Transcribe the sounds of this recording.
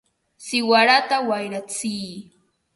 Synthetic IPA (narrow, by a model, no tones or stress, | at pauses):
sɪwaɾat̪awajɾat͡siː